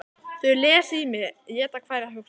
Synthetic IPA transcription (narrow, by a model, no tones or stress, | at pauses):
θœɥlɛːsimɪjɛːt̪akʰvaːjɾaɦʏks